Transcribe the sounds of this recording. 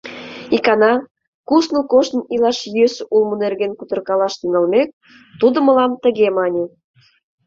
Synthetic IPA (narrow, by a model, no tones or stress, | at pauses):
ikɑnɑ | kusnəkoʃt̪ilɑʃjøsulmə̆nerɣenkut̪ɤ̆rkɑlɑʃt̪iŋɑlmek̚ | t̪ud̪ə̆mə̆lɑmt̪ə̆ɣemɑnʲe